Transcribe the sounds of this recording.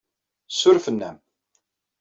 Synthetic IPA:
sːʊɾfənːæ̰m

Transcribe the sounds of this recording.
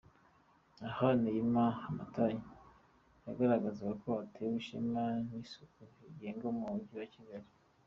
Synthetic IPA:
ahanejimaamataɲi | jaɡaɾaɡazaɡakʰoatʰewuʃimanisu̥kuiɟeːŋɡomuuɲɟiwaciɡaɾi

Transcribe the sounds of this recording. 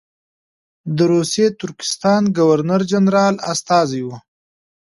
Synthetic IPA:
d̪əɾusjet̪ʊɾkɪ̥st̪ɑnɡawaɾnaɾd͡ʒanɾɑla̰st̪ɑzijwu

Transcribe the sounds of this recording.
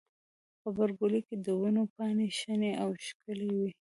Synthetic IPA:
pəbaɾɡoliked̪əwinopɑneʃəneʔawʃkəlewi

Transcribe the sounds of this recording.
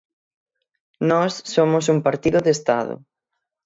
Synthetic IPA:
nɔsːomʊsumpaɾt̪iðʊðest̪a̰ðʊ̰

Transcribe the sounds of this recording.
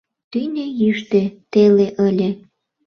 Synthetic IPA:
t̪ynʲejyʃt̪et̪eleʔəlʲĕ

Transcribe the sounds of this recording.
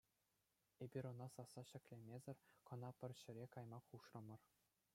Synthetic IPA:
ebʲiɾʲŏnɑsɑsːɑɕɘ̆kʲlʲemʲezʲɘ̆rʲkɤ̆nɑpʲɘ̆rʲɕɘ̆ɾʲekɑjmɑχuʂrɤ̆mɤ̆r

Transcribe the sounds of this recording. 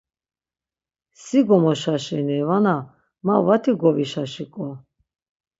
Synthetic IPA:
siɡɔmɔʃaʃɛnɛvana | mavat̪ʰiɡɔviʃaʃikʼɔ

